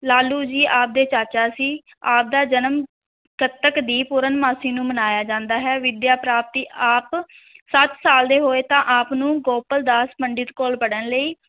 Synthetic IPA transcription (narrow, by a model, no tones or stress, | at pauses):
laːluːd͡ʒiːʔaːp̚d̪eːt͡ʃaːt͡ʃaːsiː | aːp̚d̪aːd͡ʒənəm | kət̪əkd̪iːpʊɾənmaːsiːnũːmənaːjaːd͡ʒãːnd̪aːɦɛːʋɪd̪jaːpɾaːp̚t̪iːʔaːp | sət̪saːld̪eːɦoːeːt̪ãːʔaːpnũːɡoːpəld̪aːspəɳɖɪt̪koːlpəɽənləiː